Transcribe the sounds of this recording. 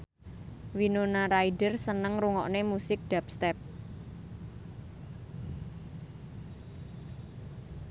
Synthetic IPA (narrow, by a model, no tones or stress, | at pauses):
winonaɾaidərsənəŋruŋɔʔnemusɪk̚d̥apst̪ɛp̚